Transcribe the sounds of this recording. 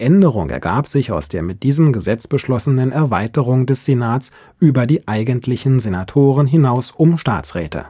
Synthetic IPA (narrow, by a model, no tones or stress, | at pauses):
ʔɛndəʁʊŋʔɛ̰ɐɡaːpz̥ɪça̰ʊsd̥eːɐmɪt̚d̥iːzəmɡəzɛt͡sb̥əʃlɔsənənɛɐvaɪtəʁʊŋdɛsz̥enaːtt͡s | ʔyːbɐdiːʔaɪɡəntʰlɪçn̩zenatʰoːʁənɦɪnaʊsʔʊmʃta̰ːt͡sʁɛ̰ːtʰə̰